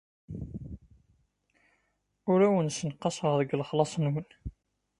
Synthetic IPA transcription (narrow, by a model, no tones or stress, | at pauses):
ʊɾæwənsənqːɑsˤəʁðəɡləχlɑsˤnwən